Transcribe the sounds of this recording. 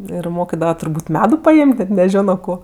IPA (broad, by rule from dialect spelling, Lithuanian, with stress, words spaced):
ɪr ˈmoːkʲɪdɐʋɐ tʊrˈbuːtʲ ˈmʲæːdʊ pɐˈeːmʲtʲ nʲɛt nʲɛˈʒʲoːnoː ˈkoː